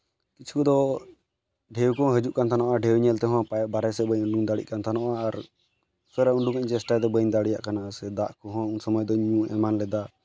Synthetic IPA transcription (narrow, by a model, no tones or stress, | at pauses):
kit͡ʃʰkud̪ɔ | ɖʱɛwkɔ̃ɦəd͡ʒuʔkant̪ʰanaʔaɖʱɛwɲɛlt̪ɛɦɔ̃pabaɾɛsɛbəɲuɳɖuŋd̪aɽḭʔkant̪ʰanɔʔaːɾ | sɔɾauɳɖuŋəɲt͡ʃɛsʈajd̪ɛbəɲd̪aɽija̰ʔkanasɛd̪aʔkɔɦɔ̃unsəmɔjd̪ɔɲũɛ̰manlɛd̪a